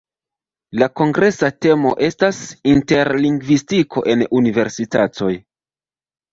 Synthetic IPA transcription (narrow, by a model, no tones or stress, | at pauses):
lako̞ŋɡɾe̞sate̞mo̞ʔe̞stasinte̞ɾliŋɡvistikʰo̞̰ʔe̞nunive̞ɾsitato̞j